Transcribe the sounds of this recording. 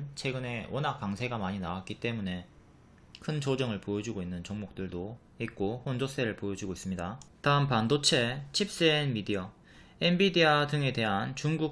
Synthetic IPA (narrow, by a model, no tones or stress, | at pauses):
nt͡ɕʰe̞ɡɯne̞ʌnɦak̚k͈aŋsʰe̞ɡamaɲinaak͈it͈e̞mune̞ | kʰɯnt͡ɕod͡ʑʌŋɯɭpojʌd͡ʑiɡoinːɯnt͡ɕʌŋmok̚t͈ɯɭdo | ik̚k͈oɸond͡ʑos͈e̞ɾɯɭpojʌd͡ʑuɡois͈ɯmɲidataɯmpandot͡ɕʰe̞t͡ɕʰip̚s͈eːnmidiʌ | embidiadɯŋe̞te̞ɦant͡ɕuŋɡu